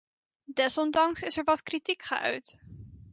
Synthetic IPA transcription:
dɛsɔndɑŋsɪsɛɹʋɑtkritikχə̰ʔœ̰ɥt

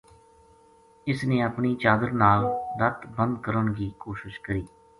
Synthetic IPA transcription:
ɪsnẽːəpɳiːt͡ʃaːd̪əɾnaːlɾət̪bənd̪kəɾəɳɡiːkoːʃɪʃkəɾiː

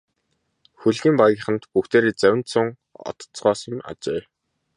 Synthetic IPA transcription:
xuɮɣʲiːmpaɣiːχə̆nt̪puxt̪ʰeːɾeːt͡sæwʲɪ̆nt̪sʊŋ | ɔ̰t̪t͡sɢɔːsə̆ma̰t͡ɕeː

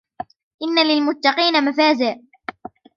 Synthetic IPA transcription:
ʔɪnːalɪlmʊt̪ːɑqiːnamafaːzɪʕ

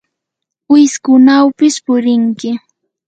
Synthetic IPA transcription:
ɪskʊnawpɪspʊɾɪŋkɪ

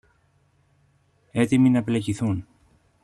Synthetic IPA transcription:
e̞t̪iminɐpleciθun

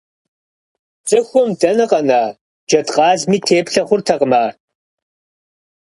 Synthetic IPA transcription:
t͡sʼɨxʷɔmdɐnɐqɐnaː | d͡ʒɐtqʼɑːzmiːtʰeːpɬɐχʷʊrtʰɐqəmaːr

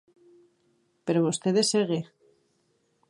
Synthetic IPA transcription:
peɾoβost̪eðeseɣe

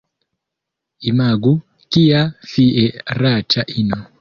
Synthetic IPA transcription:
imaɡu | kijafiʔɛɾat͡ʃʰaʔinɔ

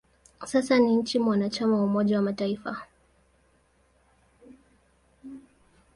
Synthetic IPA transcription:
sasaniɲ̩t͡ʃimwanat͡ʃamawaumɔʄawamataifa

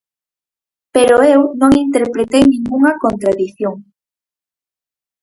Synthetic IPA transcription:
peɾoewnõŋint̪eɾpɾet̪ejnĩŋɡuŋɐkont̪ɾaðiθjoŋ

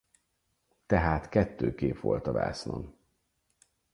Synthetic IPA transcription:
t̪ɛɦaːt̪kɛt̪ːøːkeːpʋo̞lt̪ɒva̰ːsno̰n

